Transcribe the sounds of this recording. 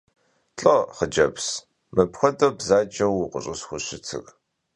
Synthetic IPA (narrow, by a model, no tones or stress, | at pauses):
ɬʼɐχəd͡ʒɐps | mɨpxʷɔdɐbzaːd͡ʒɐwʊqʷʊɕʼɨsxʷʊɕɪtʰɨ̰ɣ